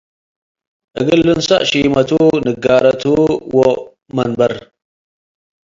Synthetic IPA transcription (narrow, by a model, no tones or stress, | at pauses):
ʔə̰ɡəlːənsa̰ʔʃimatunəɡaɾatuwo | manbaɾ